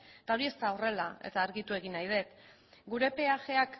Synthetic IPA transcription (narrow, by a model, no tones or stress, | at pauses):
t̪ao̞ɾie̞st̪ao̞re̞lae̞̰t̪aːɾɣit̪ue̞ɣinajðe̞t̪ | ɡuɾe̞pe̞aʝe̞ak